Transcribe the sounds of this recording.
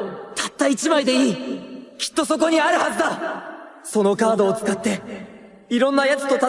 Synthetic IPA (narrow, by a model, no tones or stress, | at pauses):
t̪ʰat̪ːait͡ɕimaid̪e̞iːkʲi̥t̪ːo̞so̞k̬o̞ɲ̟iaɾɯ̟hazɨd̪a | so̞no̞kaːd̪o̞ːt͡sɨ̥kat̪ːe̞ | iɾõ̞nːajat͡sɨ̥t̪ot̪a